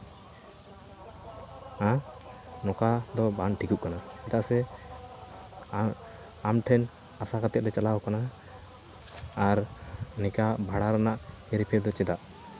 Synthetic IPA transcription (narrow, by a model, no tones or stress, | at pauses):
ã | nɔkad̪ɔbanʈʰikuʔ̚kanaɛt̪aʔsɛ | amʈʰɛn | asakat̪ɛʔ̪̚ɾɛt͡ʃalaɔkana | ɾnikabʱaɽaɾanaʔhɛɾpʰɛɾd̪ɔt͡ʃɛd̪aʔ